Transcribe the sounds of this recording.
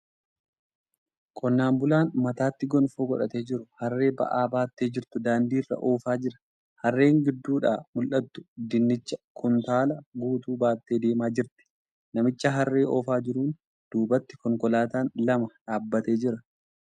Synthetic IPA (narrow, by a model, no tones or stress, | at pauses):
kʼɔnːaːmbʊlaːnmɐt̪aːt̪ːɪɡɔnfoːɡɔᶑɐt̪e̞ːd͡ʒɪɾʊhɐrːe̞ːbɐ̰ʔaːbaːt̪ːe̞ːd͡ʒɪɾt̪ʊd̪aːnd̪iːrːɐ̰ʔoːfaːd͡ʒɪɾɐ̥ | hɐrːe̞ːŋɡɪd̪ːuːᶑa̰ːmʊlʔɐt̪ːʊ̥d̪ɪnːɪt͡ʃːɐkʰʊnt̪aːlɐɡuːt̪uːbaːt̪ːe̞ːd̪e̞ːmaːd͡ʒɪɾt̪ɪ̥ | nɐmɪt͡ʃːɐɦɐrːe̞ːʔɔ̰ːfaːd͡ʒɪɾuːn | d̪̥uːbɐt̪ːɪ̥kɔŋkɔlaːt̪aːnlɐmɐᶑaːbːɐt̪e̞ːd͡ʒɪɾɐ